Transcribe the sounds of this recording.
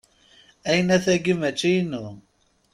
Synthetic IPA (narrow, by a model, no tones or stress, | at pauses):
æjənæθæɡimæt͡ʃːijnu